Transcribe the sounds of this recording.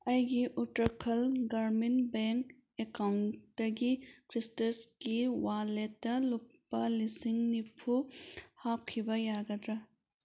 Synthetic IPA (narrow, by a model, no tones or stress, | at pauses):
ɐjɡiʔuʈɾɐkʰɐlɡɐɾminbeŋk | ekaŋt̪ɐɡikʰɾistɐskiwaːlet̪ɐlupːɐlisiŋnipʰuhaːp̚kʰibɐjaːɡɐd̪ɾɐ